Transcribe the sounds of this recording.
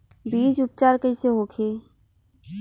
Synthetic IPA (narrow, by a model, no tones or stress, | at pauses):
biːd͡ʒʊp̚t͡ʃaːɾkəiseɦoːkʰeː